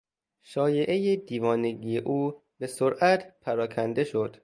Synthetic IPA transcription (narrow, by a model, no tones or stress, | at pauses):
ʃɒːje̞ʔejed̪iːvɒːneɡijeʔuː | be̞soɾʔæt̪ʰpʰæɾɒːkʰænd̪e̞ʃo̞d̪̥